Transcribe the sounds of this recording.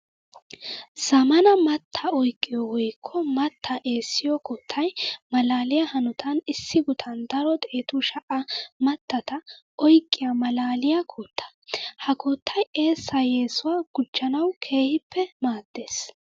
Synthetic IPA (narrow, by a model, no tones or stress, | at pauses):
z̥ɐmɐnɐmɐt̪ʰːɐɔjkʼːɪjɔwɔjkʰːɔmɐt̪ʰːɐʔe̞ːsːɪjɔkʰɔːt̪ʰːɐjmɐlaːlɪjahɐnʊt̪ʰɐnɪsːɪɡʊt̪ʰɐnd̪ɐɾɔt̪ʼeːt̪uʃɐʔɐmɐt̪ːɐt̪ɐ | ʔɔjkʼːɪjɐmɐlaːlɪjakʰoːt̪ʰːɐ̥ | hɐkoːt̪ʰːɐje̞ːsːɐjeːsʊwaːɡ̥ʊd͡ʒːɐnɐwkʰe̞ːhɪpːɛmaːd̪̥ːe̞ːs